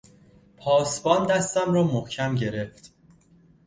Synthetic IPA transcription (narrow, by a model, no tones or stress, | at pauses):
pʰɒːsbɒːnd̪æst̪æmɾɒːmohcʰæmɟe̞ɾe̞ft̪